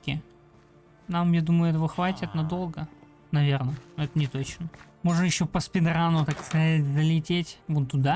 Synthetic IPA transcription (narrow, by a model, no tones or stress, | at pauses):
kʲɪ̰ | namjad̪uməjʊɛt̪əvəxvatʲɪt̪nɐd̪o̞lˠɡə | nɐvʲernənoɛt̪ənʲɪt̪o̞t͡ɕnəmo̞ʐnəjɪɕːopəspʲɪd̪ɾanʊt̪akskɐzatʲzəlʲɪtʲetʲvot̪ːʊd̪a